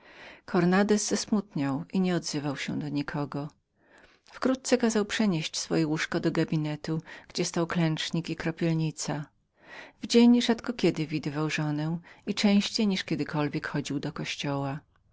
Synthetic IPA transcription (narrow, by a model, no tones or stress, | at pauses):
kʰɔɾnad̪ɛzz̥asmut̪ɲawiɲɛɔd̪zɘvawɕɛ̰d̪ɔɲikʰɔɡɔ | fkɾut̪̚t̪sɛkazawpʂɛɲeɕt͡ɕsfɔ̰jɛwuʂkɔd̪ɔɡabʲinɛt̪uɡ̥d͡ʑɛst̪awklɛnt͡ʂɲikikɾɔpʲɛlɲit̪sa | vd͡ʑeɲʐat̪kɔkʲɛd̪ɘvʲid̪ɘvawʐɔnɛit͡ʂɛ̃w̃ɕt͡ɕejɲiʂkʲɛd̪ɘkʰɔlvʲjɛkxɔd͡ʑiwd̪ɔkɔɕt͡ɕɔwa